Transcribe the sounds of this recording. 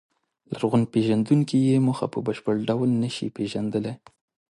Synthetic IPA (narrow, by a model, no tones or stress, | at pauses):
laɾɣʊnpeʒand̪uŋkijemʊxa̰pəbəʃpəɽɖawlnəʃḭpeʒand̪əle